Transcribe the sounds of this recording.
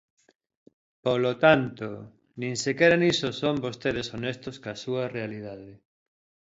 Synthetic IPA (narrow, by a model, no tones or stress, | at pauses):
polot̪ant̪o | nĩŋsekɛɾanisosombost̪eðesonest̪oskasuɐrealiðaðe